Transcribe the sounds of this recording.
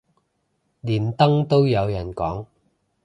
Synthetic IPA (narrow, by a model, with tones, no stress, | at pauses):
liː˨˩nt̪ɐ˥ŋt̪o˥wjɐ˨˧wjɐ˨˩nkɔː˨˥ŋ